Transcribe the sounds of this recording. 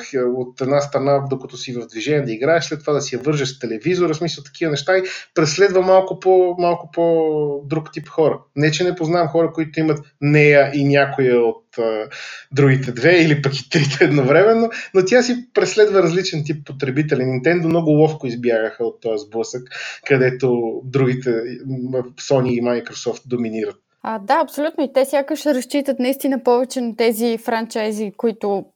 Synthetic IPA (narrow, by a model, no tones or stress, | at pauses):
xəot̪ɛd̪nast̪ɾɐnad̪okot̪ʊsivɐvd̪viʒɛnʲiɛd̪ɐiɡɾaɛʃslɛt̪ːovad̪ɐsijɐvɤɾʒəʃst̪ɛlɛvizoɾəsmisəlˠt̪ɐ̥kivənɛʃt̪aipɾɛslɛd̪vəmalˠkʊpomalˠkʊpod̪ɾukt̪ipxɔɾənɛt͡ʃɛnɛpoznaɛmxɔɾəkoit̪ʊimɐt̪nɛjəʔinʲakojɛot̪əd̪ɾuɡit̪ɛd̪vɛilipɐkit̪ɾit̪ɛɛd̪novɾɛmɛnonot̪ʲjasipɾɛslɛd̪vəɾɐzlit͡ʃɛnt̪̬ipːot̪ɾɛbit̪ɛlʲinint̪ɛnd̪omnɔɡʊlˠɔfkʊizbjaɡəxəot̪ːɔjəzblˠɤsəkkɐd̪ɛt̪od̪ɾuɡʲit̪ɛ | sɔniːmajkɾosɔft̪̚d̪ominiɾət̪̚ | ad̪aɐpsolʲut̪noit̪ɛsʲjakəʃɾɐst͡ʃit̪ət̪nɐist̪inəpɔvɛt͡ʃɛnɐt̪ɛzifɾant͡ʃajzikoit̪ʊ